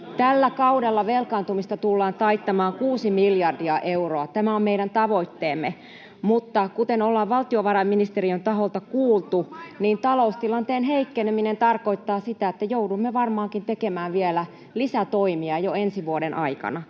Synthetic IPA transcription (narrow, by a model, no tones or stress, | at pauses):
t̪ælːækɑudelːɑʋelkɑːnt̪umist̪ɑt̪ulːɑːnt̪ɑit̪ːɑmɑːŋkuːsimiljɑrdiɑʔeuroɑt̪æmæommeiɾænt̪ɑʋoit̪ːeːmːe | mut̪ːɑkut̪enolːɑːʋʋɑlt̪ioʋɑrɑmminist̪eriønt̪ɑɦolt̪ɑkuːlt̪uniːnt̪ɑloust̪ilɑnt̪eːnɦeikːeneminent̪ɑrkoit̪ːɑːsit̪æet̪ːæjoudumːeʋɑrmɑːŋkint̪ekemæːʋielæ | lisæt̪oimiɑjoensiʋuoɾenʔɑikɑ̰nɑ